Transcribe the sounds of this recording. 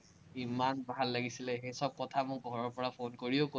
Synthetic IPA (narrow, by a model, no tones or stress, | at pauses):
imanbalːaɡisilɛxejsɔb̚kɔtʰamʊkɡʱɔɹɔɹpɔɹapʰonkoɹioko